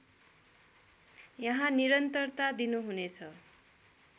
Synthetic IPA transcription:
jʌɦãniɾʌnt̪ʌrt̪ad̪inuɦunet͡sʰʌ

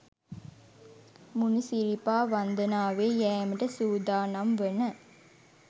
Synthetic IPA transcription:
munusiɾipaːʋɐnd̪ɐnaːʋeːjɛːməʈɐsuːd̪aːnɐmʋenɐ

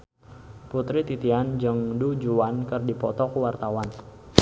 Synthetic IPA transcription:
put̪ɾit̪it̪iand͡ʒəŋdud͡ʒuankərdipɔt̪ɔkuwart̪awan

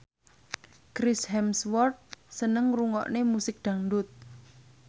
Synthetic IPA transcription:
kɾɪshɛmswɔrt̪̚sənəŋruŋɔ̰ʔnemusɪk̚d̪̥ä̤ŋɖʊt̪̚

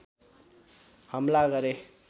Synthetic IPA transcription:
hʌmlaɡʌɾe

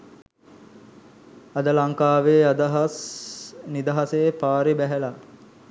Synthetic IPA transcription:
ɐd̪əlaŋkaːʋeːad̪əɦɐs | nid̪ɐɦɐseːpaːɾebæɦæla

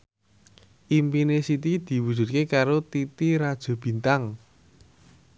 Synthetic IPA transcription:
ʔimpinesit̪id̪̥i̤wud̥ʒ̥ṳt̪̚kekaɾot̪it̪iɾad̥ʒ̥o̤b̥i̤nt̪aŋ

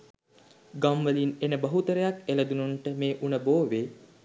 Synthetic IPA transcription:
ɡamʋəlinenəbəɦut̪əɾəjakeləd̪ununʈəmeːʔunəboːʋeː

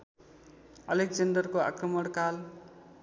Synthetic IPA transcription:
ʌlekd͡zʌndʌrkoa̰krʌmʌɽkal

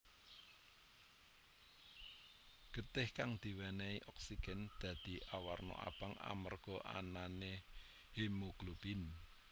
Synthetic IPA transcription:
ɡ̥ət̪ɪhkaŋd̪̥i̤wɛnɛiʔɔksiɡ̥ɛ̤nd̪̥ä̤d̪̥i̤ʔawarnɔ̰ʔa̰b̥aŋa̰mərɡ̥ɔ̤ʔa̰nane | hemuklub̥in

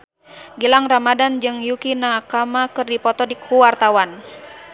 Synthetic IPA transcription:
ɡilaŋramadand͡ʒɨŋjukinakamakɨrdipɔt̪ɔdik̚huwart̪awan

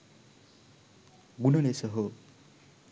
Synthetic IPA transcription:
ɡunʌnesʌɦo

